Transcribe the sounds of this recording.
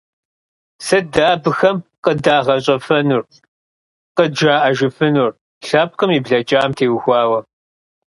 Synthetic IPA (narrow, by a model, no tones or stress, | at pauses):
sɐdaːbɨxɐmqədaːʁɐɕʼɐfɐnur | qəd͡ʒaːʔɐʒɨfɨnur | ɬaːp̚qəmiːbɮɐt͡ʃʼaːmtʰeːwxʷɑːwɐ